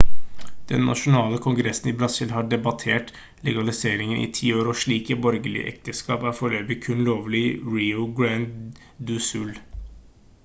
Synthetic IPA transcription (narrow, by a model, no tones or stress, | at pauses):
d̪̥ɛ̰nːʔɑ̰ʂʊnɑːləkʰʊŋɡʉɾɛsn̩ibɾɑsɪlɦɑːɖɛbɑt̪ʰeːʈ | lɛɡɑlɪseːɾɪŋənʔḭːt̪ʰiːoːɾɔʂɭiːkəbɔɾɡəlɪ̰ə̰ʔɛ̰k̚t̪əskɑːpæːɾfɔɭøːbɪkʰʉnloːʋlɪɹiːʊɡɹænd̪ | d̪ʉsʉl